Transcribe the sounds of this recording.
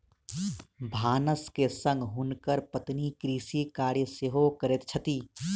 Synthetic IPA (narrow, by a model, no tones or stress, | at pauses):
bʱaːnəskesə̃ŋɡɦunkəɾpət̪nikɾiːsikaːɾjəseɦokəɾet̪t͡ʃʰət̪iː